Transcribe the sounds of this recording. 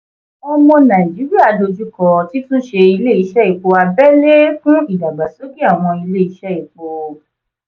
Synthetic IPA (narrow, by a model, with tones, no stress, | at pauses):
ɔ˧mɔ̃˧nã˨d͡ʒi˨˦ɾi˦a˦˨do˧d͡ʒu˦kɔ˧ti˨˦tũ˦ʃe˧i˧le˦i˧ʃɛ˦i˨k͡po˧a˧bɛ˦le˦fũ˦i˦˨da˨ɡ͡ba˨so˦ɡi˦a˨w̃ɔ̃˧i˧le˦i˧ʃɛ˦i˨k͡po˧